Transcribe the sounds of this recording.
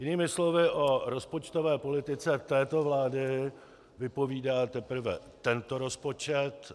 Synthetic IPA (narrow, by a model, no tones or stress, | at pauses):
jɪniːmɪslo̞vɪʔo̞ɾo̞spo̞t͡ʃt̪o̞vɛːpo̞lɪt̪ɪt͡sɛt̪ɛːt̪o̞vlaːdɪ | vɪpo̞viːdaːt̪ɛpɾ̩vɛ̰ | t̪ɛnt̪o̞ɾo̞spo̞t͡ʃɛt̪